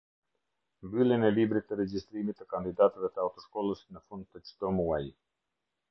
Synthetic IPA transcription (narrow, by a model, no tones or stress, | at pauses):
bilɛnɛlibɾit̪əɾɛd͡ʒist̪ɾimit̪əkand̪id̪at̪ɛvɛt̪əawt̪ɔʃkɔlˠəsinəfɔnt̪ət͡ʃt̪ɔmuwaj